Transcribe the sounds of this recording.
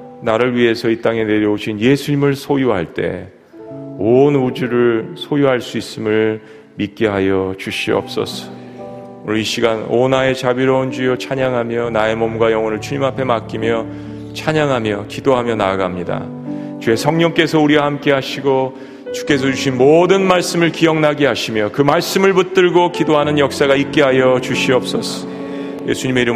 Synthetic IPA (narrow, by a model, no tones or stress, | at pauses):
naɾɯɭɥiɦe̞sʰʌit͈aŋe̞ne̞ɾjʌoɕʰinje̞sʰuɲimɯɭsʰojuɦaɭt͈e̞̰ | onud͡ʑuɾɯɭsʰojuɦaɭs͈uis͈ɯmɯɭ | mit̚k͈eɦajʌt͡ɕuɕʰiʌ̰p̚s͈ʌ̰sʰʌ̥ | oiɕʰiɡanonae̞t͡ɕabiɾʌund͡ʑijʌt͡ɕʰaɲaŋɦamjʌnae̞mʌmɡwajʌŋʌnɯɭt͡ɕʰuɲimapʰe̞mak͈imjʌ | t͡ɕʰaɲaŋɦamjʌkidoɦamjʌnaːɡamɲida̰ | t͡ɕue̞sʰʌŋɲʌŋk͈e̞sʰʌuɾiwahamk͈e̞ɦaɕʰiɡo | t͡ɕu̥k͈e̞s̬ʰʌt͡ɕuɕʰinmodɯnmaɭs͈ɯmɯɭkijʌŋnaɡeɦaɕʰimjʌkɯmaɭs͈ɯmɯɭput͈ɯɭɡokidoɦanɯnjʌk̚s͈aɣaik͈eɦajʌt͡ɕuɕʰiʌp̚s͈ʌsʰʌ̥ | je̞̰sʰuɲime̞iɾɯ